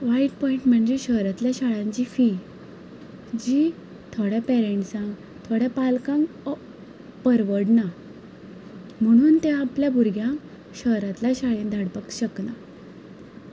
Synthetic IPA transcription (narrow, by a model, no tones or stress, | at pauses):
ʋaiʈpɔiɳʈməɳd͡ʑeɕəɦɾat̪ljaɕaɭãɲt͡ɕiːfi | d͡ʑi | t̪ʰoɽjapɛɾeɳʈsãŋɡ | t̪ʰoɽjapalkãŋɡ | pəɾʋəɽna | m̤əɽ̃uːnt̪eapljabʱuɾɡʱjã | ɕəɦɾat̪ljaɕaɭẽnd̪ʱaɽpəkɕəkna